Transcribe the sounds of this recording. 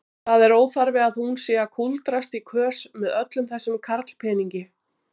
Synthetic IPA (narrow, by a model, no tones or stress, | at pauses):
θaðɛɾoːwfaɾvɪaðhunsɛːɣakʰult̪ɾast̪ikʰvœːsmɛðœt̪lʏmθɛsːʏmkʰaɾt̪l̥pʰɛːniɲcɪ